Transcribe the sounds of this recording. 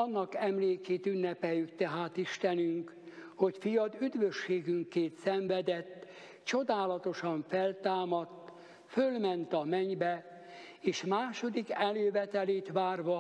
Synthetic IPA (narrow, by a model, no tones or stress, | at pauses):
ɒnːɒkɛmleːkeːt̪ynːɛpɛjːykt̪ɛɦaːt̪iʃt̪ɛnyŋk | ho̞cfijɒd̪yd̪ʋøʃːeːɡyŋkeːnsɛɱvɛd̪ɛt̪ː | t͡ʃo̞d̪aːlɒt̪o̞ʃɒɱfɛlt̪aːmɒt̪ː | følmɛnt̪ɒmɛɲbɛ | eːʃmaːʃo̞d̪ikɛløːvɛt̪ɛleːt̪ʋaːrʋɒ